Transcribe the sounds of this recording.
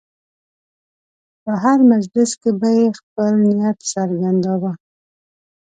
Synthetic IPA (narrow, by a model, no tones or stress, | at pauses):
pəɦaɾmazlɪskebajexpəlnɪjat̪saɾɡand̪ɑwa